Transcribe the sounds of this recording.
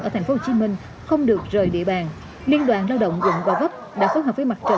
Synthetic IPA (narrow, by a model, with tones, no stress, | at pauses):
ʔəː˧˩t̪ʰa˨˩ŋ̟fo˧˦ho˧˩t͡ɕi˨˦mï˧ŋ̟ | xə˧wŋ͡mɗɨ˨˩ək̚zəː˨˩jɗḭ˧˨əɓaː˨˩n | li˧ənɗwaː˨˩nlaː˧wɗə̰˧˨wŋ͡mzʊ̰˧˨ŋ͡mvaː˧˩və˦˥p̚ɗa̰ː˧˥xo˨˦jɦəː˨˩vːjma˨˩t͡ɕə̰˧˨